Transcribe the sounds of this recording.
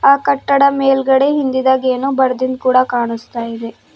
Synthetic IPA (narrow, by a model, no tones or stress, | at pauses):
aːkɐʈːɐɽɐmeːlɡɐɽeɦind̪id̪aːɡeːnuːbɐɾɐd̪ind̪̚kuːɽɐkaːɳust̪aːjid̪e̞